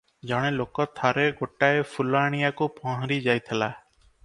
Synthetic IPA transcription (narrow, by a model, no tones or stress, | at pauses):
d͡ʒɔɽ̃elokɔt̪ʰaɾeɡoʈaepʰulaɽ̃ijakupɔ̃ɦɔ̃ɾid͡ʒajt̪ʰela